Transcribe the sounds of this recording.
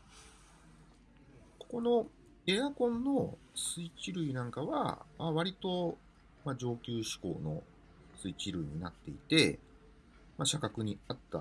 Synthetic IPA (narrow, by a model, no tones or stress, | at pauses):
ko̞̥ko̞no̞ | e̞akõ̞nːo̞ | sɨit͡ɕiɾɯ̟inãŋkaβa̰maβ̞aɾʲit̪o̞ | mad͡ʑo̞ːkʲɨːɕi̥ko̞̰ːno̞̰ | sɨit͡ɕiɾɯ̟iɲ̟inat̪ːe̞ḭt̪e̞ | maɕakakɯ̟ɲ̟iat̪ːa̰